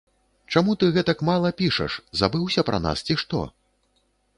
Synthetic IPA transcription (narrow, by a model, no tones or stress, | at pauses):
t͡ʂamut̪ɨɣɛt̪ɐkmalˠɐpʲiʂɐ̰ʂzabɨwsʲɐpɾʔɐ̰na̰st͡sʲiʂt̪ɔ̰